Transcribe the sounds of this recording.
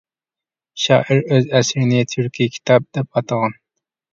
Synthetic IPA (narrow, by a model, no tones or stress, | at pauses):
ʃɑ̰ːʔɪɾøzæsɾnɪt̪ʰyɾkʰʲikʲʰi̥t̪ʰɑb̚d̪̥ɛp̚ɑt̪ɑʁɑn